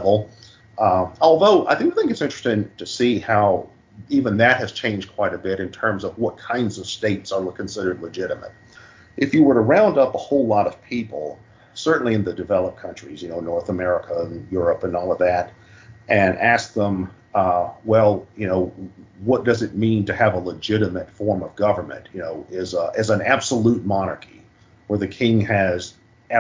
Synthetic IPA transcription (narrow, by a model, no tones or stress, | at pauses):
vl̩ˠ | ɔlˠðoʊʔa̰ɪθɪ̃ŋɪθɪ̃ŋkɨtsɪ̃nt͡ʃɹ̥ɨ̥stɪ̃ŋtʰɨsihaʊ | ivɨ̃nðɨt̚hɨz̥t͡ʃʰẽɪ̃nd͡ʒkʰw̥aɪɾɨbɪɾɨ̃ntʰɜ̃˞mzʌvwʌt̚kʰãɪ̃ndzʌv̥steɪtsə˞ləkʰn̩sɪɾə˞dˡləd͡ʒɪɾɨmə̰ɾ | ʔɨfjɨwə˞ɾəɹãʊ̃ndʌpəhoʊlɔɾʌv̥pʰipl̩ˠ | sɜ˞ʔn̩liɨ̃nðɨdɨvɛlˠəp̚kʰʌ̃nt͡ʃɹ̥ḭzjɨnoʊnɔɹθəmɛɹɨkʰənjʊɹəpɨ̃nɔlˠʌvðæɾ | ʔɨ̃nʔæsk̚ðə̃m | wɛlˠjɨnoʊwʌt̚d̥ʌzɨt̚mĩntɨːvələd͡ʒɪɾɨmɨtfɔɹmʌvɡʌvə˞mɨ̰̃ntjɨnoʊɪzʔɨzə̃næb̥səlut̚mɑnə̰˞kʰi | wə˞ðɨkʰɪ̃ŋɨz